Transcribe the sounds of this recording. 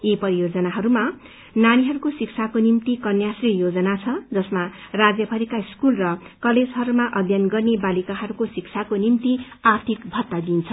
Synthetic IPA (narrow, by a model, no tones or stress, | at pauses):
jepʌɾijod͡zʌnaɦʌɾuma | naɽ̃iɦʌɾukosiksʰakonimt̪ikʌnjasrijod͡zʌnat͡sʰʌd͡zʌsmarad͡zjʌbʱʌɾikaiskulrʌkʌled͡zɦʌɾumaʔʌd̪ʱjʌnɡʌrnebalikaɦʌɾukosikt͡sʰakonimt̪i | art̪ʰikbʱʌt̪ːad̪int͡sʰʌ